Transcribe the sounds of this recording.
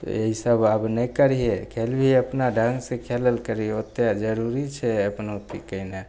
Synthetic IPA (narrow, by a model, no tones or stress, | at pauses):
t̪ḛɦisəbəbnəikəɾijekʰelbʱiəpnaɖʱə̃ŋɡsekʰeləlkəɾiot̪ːjad͡ʒəɾuɾit͡ʃʰɛəpnot̪ikəine